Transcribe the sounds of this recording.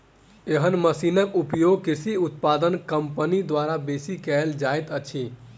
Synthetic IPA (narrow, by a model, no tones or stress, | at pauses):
eɦənməsinəkupjoɡ̚kisʰiut̪pad̪ənkəmpənid̪waɾabesikɛld͡ʒajt̪ət͡ʃʰi